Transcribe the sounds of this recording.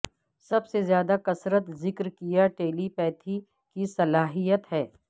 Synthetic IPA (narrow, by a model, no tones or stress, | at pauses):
sɐbsezjaːd̪akɐsɾət̪zɪkɾkijaʈeːlipɛːt̪ʰi | kisɐlaːɦijət̪ɦɛː